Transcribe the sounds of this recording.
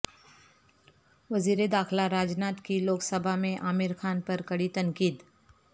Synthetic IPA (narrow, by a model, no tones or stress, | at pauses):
ʋɐziːɾed̪aːxlaɾaːd͡ʒnaːt̪kiloːksəbʱamẽʔaːmɪɾkʰaːnpɐɾkɐɽit̪ɐ̃ŋkiːd̪